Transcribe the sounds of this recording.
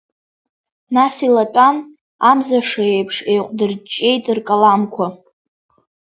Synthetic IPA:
nasilatʼan | amzaʂaejpʰʂe̞jqʷʼdɨrt͡ʃʼːe̞jtʼɨrkʼalamkʷʰa

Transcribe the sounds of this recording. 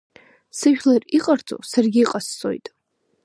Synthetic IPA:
sɨʒᶣʲlariqʼart͡sʼo̰sarɡʲiːqʼasːʼo̰jtʼ

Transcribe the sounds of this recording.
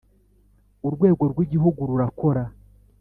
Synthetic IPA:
uɾɡwe̞ːɡo̞ɾɡwiɟiɦuɡuɾuɾako̞ɾa

